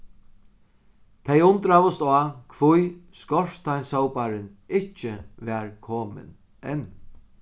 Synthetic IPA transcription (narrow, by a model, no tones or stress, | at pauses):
t̪ʰɛjʊnt̪ɾaʋʊst̪aːkʰvʊjskɔʂt̪ʰajnsowpaɾɪnɪt͡ʃɪʋɛːɹkʰoːmɪ̰n | ɛn